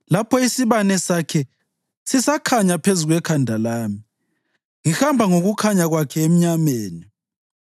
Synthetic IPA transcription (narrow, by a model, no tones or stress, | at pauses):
lapʰɔisiβanɛsakʰɛ | sisakʰaɲapʰezuɣwɛkʰandʱalaːmi | ŋihambʱaŋoɣukʰaɲaɣwakʰɛem̩ɲameːni